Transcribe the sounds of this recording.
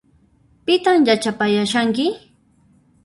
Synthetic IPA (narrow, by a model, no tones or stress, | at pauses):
pɪt̪amjat͡ʃapajaʃaŋkɪ